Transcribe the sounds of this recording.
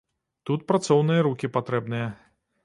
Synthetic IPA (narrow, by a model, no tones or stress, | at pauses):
t̪ut̪̚pɾat̪sɔwnɨjɐɾukʲipat̪ɾɛbnɨjɐ